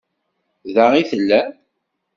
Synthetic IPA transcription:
ðaʁiθəlːæ

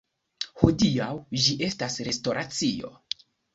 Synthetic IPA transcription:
hodiawd͡ʒiʔe̞stasɾe̞sto̞ɾʔat͡sio̞̰

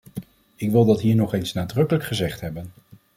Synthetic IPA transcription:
ɪkʋɪlˠdɑtɦiːɹnɔχejnsnaːdrɵkələkχəzɛχtɦɛbən

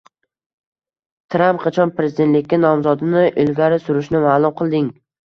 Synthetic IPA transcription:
t̪ʰɾampqʰɑt͡ʃʰɒnpɾezɪd̪e̞nt̪lɪkʲːanɒmzɒd̪ɪnɪʔɪlɡʲaɾɪsʊɾʊʃnɪmaːlˠʊmqʰɨlˠd̪ɪŋ

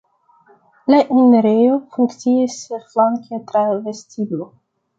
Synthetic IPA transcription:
laʔineɾejofuŋkt͡siisflaŋkʰetɾave̞stiblo

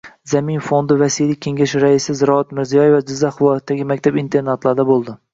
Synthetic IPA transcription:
zamɪnfond̪ɪvasijlɪkʲʰːe̞ŋɡʲaʃɪɾaɪsɪzɪɾɒat̪mɪɾzijɒjevad͡ʒɪzːaχɪlˠɒjat̪̚d̪aɡʲɪmakʲt̪ʰabint̪ʰe̞ɾnat̪lˠaɾd̪abolˠd̪ɪ

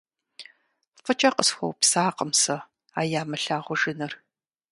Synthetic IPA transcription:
fɐt͡ʃʼɐqəsxʷɔ̰wpsaːqəmsɐ | aːjaːmɐɬaːʁʷʊʒɪnɐr

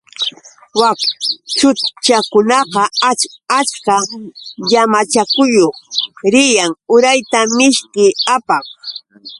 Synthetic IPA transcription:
wakt͡ʃʊt͡ʃakʊnɑqɑat͡ʃkaʎamat͡ʃakʊjoχɾɪjaŋʊɾajt̪amɪʃkɪapɑχ

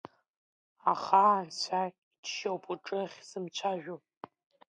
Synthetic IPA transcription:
aχaːnt͡ɕʷʰa | itʰʃowpʰʼuʈ͡ʂʼɨχʲz̥ɨmt͡ɕʷʰaʒᶣu

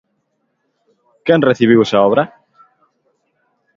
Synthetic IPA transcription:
kɛnreθiβ̞iwesaɔβɾɐ

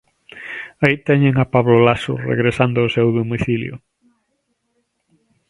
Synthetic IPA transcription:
ait̪ɛɲeŋapaβlolasʊ̰rḛɣɾesand̪ʊosewðomiθiljʊ̰

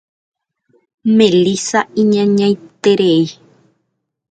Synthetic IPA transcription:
mẽlisaĩɲãɲãj̃t̪eɾei

